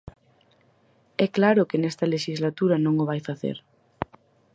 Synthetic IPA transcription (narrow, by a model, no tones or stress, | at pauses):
ɛklaɾʊkɪnɛst̪ɐleʃizlat̪uɾɐnõŋʊβajfaθḛɾ